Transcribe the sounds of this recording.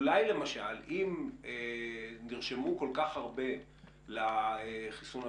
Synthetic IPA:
lajle̞maʃalimeniʁʃemuko̞lkaχaʁbe̞ | laeχisuna

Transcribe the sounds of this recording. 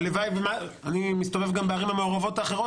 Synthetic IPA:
levajvema | animist̪ove̞vɡambeaʁimameoʁavo̞t̪aːχeʁo

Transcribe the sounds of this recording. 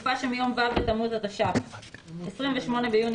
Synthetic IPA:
faʃemijo̞mvavbet̪amuzat̪aʃavesʁimveʃmo̞ne̞bejun

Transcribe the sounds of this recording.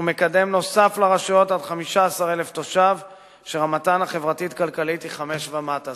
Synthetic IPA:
ume̞kade̞mno̞saflaʁaʃujo̞tadχamiʃaːsaʁeleft̪o̞ʃav | ʃeamatanhaχe̞vʁatitkalkalitiχame̞ʃvamata

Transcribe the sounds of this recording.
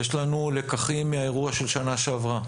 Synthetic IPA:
jeʃlanule̞kaχimːeae̞ʁuaʃe̞lʃanaʃeavʁa

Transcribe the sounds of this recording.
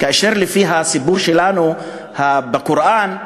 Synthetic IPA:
kaʔaʃiɾlifiːɦasɪbuːɾʃilaːnu | habɪkʊɾʔaːn

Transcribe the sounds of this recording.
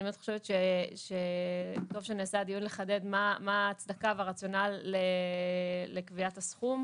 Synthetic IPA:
met̪χoʃevet̪ʃeʃet̪o̞vʃeneːsad̪ijunleχade̞d̪mamaːt͡sd̪akaveʁat͡sjo̞nalːeː | ekviatasχum

